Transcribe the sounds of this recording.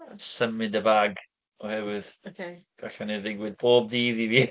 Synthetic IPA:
səmɨdəbaɡ | ɔhɛvɪðokʰeɡ̥aɬaniðɪɡwɪd̚boːb̚diːðiviː

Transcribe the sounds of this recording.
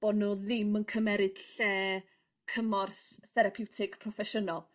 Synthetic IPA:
b̥ɔdnuːðɪmənkʰəmɛɾɨd̥ɬɛː | kʰəmɔrθθɛɾapʰɪwtʰɪɡpʰrɔfɛʃənɔlˠ

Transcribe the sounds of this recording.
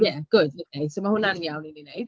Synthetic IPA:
jɛɡ̥ʊdinejd̥somahʊnanjawnininejd̥

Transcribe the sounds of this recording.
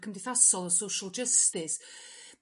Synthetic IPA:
kʰəmdɪθasɔlˠəsowʃəlˠd͡ʒəstɪs

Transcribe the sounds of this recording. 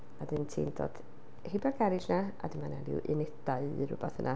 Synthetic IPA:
adɨntʰḭːndo̰ːd̥ | hebarɡaɾɨd͡ʒnaa̰dɨmanalɪ̰wʔɪnɛdaɨɨɾʊbaθə̰nʔa

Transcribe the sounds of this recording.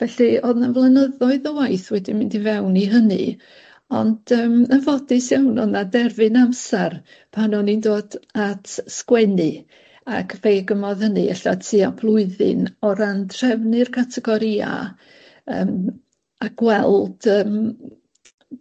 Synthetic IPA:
vɛɬioðnavlˠənəðɔɨðəwajθwɛdimɪndivɛwniɦənɨ̰ | ɔnd̥əːmənvɔdɪsjawnɔðnadɛrvɨnamsar | pʰanɔnindoːdatʰskwɛnɨ | akʰveːɡəmɔðhənɨɛɬasʰiapʰlˠʊɨðɨ̰nɔɾandr̥ɛvnɨrkʰatʰɛɡɔɾia̰ | əːm | aɡwɛlˠd̥əːm

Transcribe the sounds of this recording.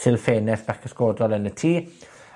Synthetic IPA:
sɪlˠfeːnɛθb̥akʰəskoːdɔlˠənətʰiː

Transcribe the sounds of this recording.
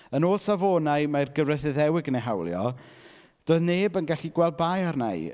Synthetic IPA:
ənoːlˠsavoːnaɨmajrɡəvrəθɨðɛwɪɡəneɦawlˠjɔ̰ | d̥oːɨðneːbənɡaɬiɡwɛlˠd̚baːjarna̰j

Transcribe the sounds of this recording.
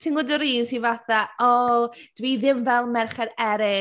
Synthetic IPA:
tʰiŋɔdɔɾiːnsiːvaθaɔd̥viːðɪmvɛlˠmɛrχɛdɛɾɪ

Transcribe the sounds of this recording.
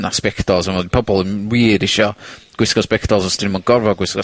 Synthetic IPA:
naspɛkʰtɔlˠsanodipʰɔbɔlˠənwiːɾɪʃɔɡ̥wɪskɔspɛktɔlˠsɔstʰɪnmɔɡ̥ɔrvɔɡwɪskɔ

